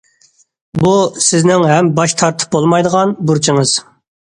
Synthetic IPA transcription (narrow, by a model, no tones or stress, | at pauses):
busɪznɪŋɦɛmbɑʃt̪ʰɑɾt̪ʰɨ̥p̚bolˠmɑjd̪əʁɑnbuɾt͡ʃʰiŋɨz̥